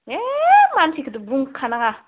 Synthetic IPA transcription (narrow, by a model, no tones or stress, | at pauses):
emantʰikʰɯd̪ubuŋkʰanaŋa